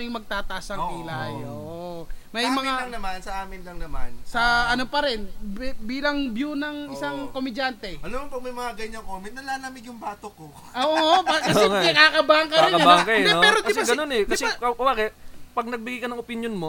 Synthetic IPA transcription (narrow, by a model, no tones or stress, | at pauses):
jʊŋmɐɡ̚t̪aːt̪ɐʔasɐkilajoːʔomɐjmɐŋaɐŋnɐmansɐʔaːmɪnlɐŋnɐmansɐʔɐnopɐɾɛnbiːlɐŋbjunɐŋʔɪsɐŋkomɪd͡ʒant̪ɛʔɐlomɐpɐɡ̚mɐjmɐŋaɡɐɲɐŋkoːmɪnt̪nɐlaːlamɪɡjʊŋbaːt̪oko | ʔoːʔoːʔoɐkɐɛŋɐjkakɐbaɐŋkɐɾɪnkɐbaŋkɐoɾodkɐsɐɡɐnonɛkɐsɛkɐkɐwakɛpɐɡ̚nɐɡ̚bɪɡijkɐnɐŋopɪnjonmo